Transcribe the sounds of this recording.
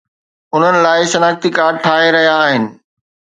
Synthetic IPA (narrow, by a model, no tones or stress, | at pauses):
ʊn̤ənɪ̆laːɪʃɐnaːxt̪ikaːɾʈʰaːɦeɾɐɦijaːɦɪnɪ̆